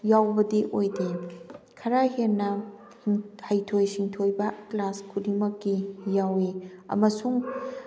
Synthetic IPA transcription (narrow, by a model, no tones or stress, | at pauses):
jawbɐdiʔojde | kʰɐɾaɦeɾnɐ | hɐjtʰojsiŋtʰojbɐklaskʰudimɐkːijawiɐ̰mɐsuŋ